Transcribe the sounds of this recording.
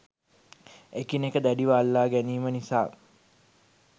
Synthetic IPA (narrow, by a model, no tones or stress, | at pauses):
ekinekəd̪æɖiʋaːlːaːɡæniːmənisaː